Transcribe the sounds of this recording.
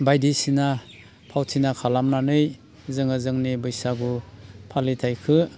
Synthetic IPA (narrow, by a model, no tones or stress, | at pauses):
bajdisina | pʰawtʰinakʰalamnanɯj | zɯŋazɯŋnibɯjsaɡupʰalitʰajkʰɯ